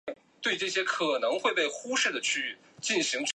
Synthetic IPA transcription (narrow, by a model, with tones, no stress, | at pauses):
t̪we˥˧ɪʈ͡ʂɤ˥˩ɕ̬jɛ˥kʰɤ˨˩nɤ˧˥ŋxwe˥˧ɪpe˥˩ɪxu˥ʂɻ̩˥˩d̪ə˩t͡ɕʰy˥˩ | t͡ɕi˥˩nɕi˧˥ŋʈ͡ʂ